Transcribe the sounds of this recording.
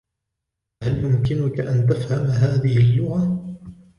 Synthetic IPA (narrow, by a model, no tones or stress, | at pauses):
haljʊmkɪnʊkaʔant̪afhamɦaːðɪhɪlːʊɣa